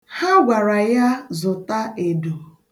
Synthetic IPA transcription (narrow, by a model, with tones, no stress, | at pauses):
ha˦ɡʷa˨ɾa˨ja˦zʊ˨ta˦e˨do˨